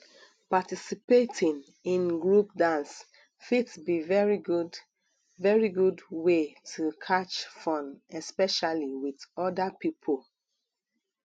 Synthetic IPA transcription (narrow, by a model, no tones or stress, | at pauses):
patisipetʰĩn | ĩnɡɹup̚dãns | fitbivɛɹiɡud | vɛɹiɡudwetʰukʰat͡ʃfɔ̃nɛspɛʃaliwiðɔdapipʰəl